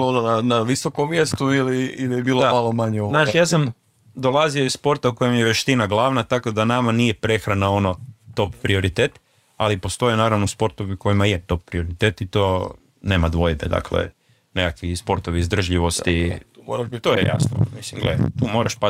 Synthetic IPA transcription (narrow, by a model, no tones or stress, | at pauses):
onanaʋisokomːjest̪uiliiliebiːloamalomaɲɛoznaːʃjaːsam | d̪o̞lˠazioisspo̞ɾt̪auko̞jemjeʋeʃt̪inaɡlˠaːʋnat̪ako̞d̪anamanije̞pɾe̞xɾanao̞no̞t̪o̞ppɾioɾit̪eːt̪ | alipo̞st̪o̞jenaːɾaʋnouspo̞ɾt̪oʋiuko̞jimajet̪o̞p̚pɾio̞ɾit̪et̪it̪o̞ | ne̞ːmad̪ʋo̞jbed̪a̰klḛ | nekakʋispo̞ɾt̪oʋiizd̪ɾr̩ʒʎiʋo̞st̪iɾat̪ojḛja̰sno̰misimɡlḛt̪uːmo̞ɾaʃpa